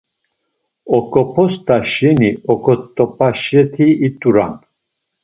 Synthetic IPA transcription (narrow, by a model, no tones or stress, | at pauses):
ɔkʼɔpʰɔst̪ʼaʃɛniɔkʰʼɔt̪ʼːɔpʼaʃjɛt̪ʰiːt̪ʼuɾa̰n